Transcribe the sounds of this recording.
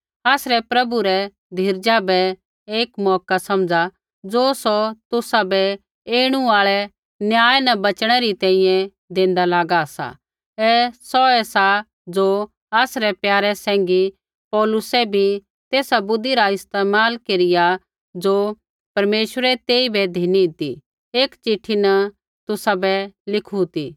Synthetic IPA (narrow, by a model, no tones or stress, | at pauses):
aːsɾɛpɾɐbuɾɛ | d̪ʱɪɾd͡ʒabɛ | eːkmɔːkasɐ̃md͡za | d͡zoːsɔt̪ʊsabɛ | eːɽ̃ũaːɭɛ | njaːjnɐbɐt͡ʃɽ̃ɛɾit̪ɛ̃ːĩjɛ̃ | d̪ẽːn̆d̪alaːɡasa̰ | ɛsɔɛsa | d͡ʒoː | aːsɾɛpjaːɾɛsɛ̃ːŋ̆ɡi | pɔːlʊsɛbʱi | t̪eːsabʊd̪iɾaɪst̪eːmaːlkeːɾɪja | d͡ʒoː | pɐɾmeːʃwəɾɛt̪eːibɛd̪ʱiːniɪt̪ḭ | eːkt͡ʃɪʈʰːinɐ | t̪ʊsabɛlɪkʰut̪iː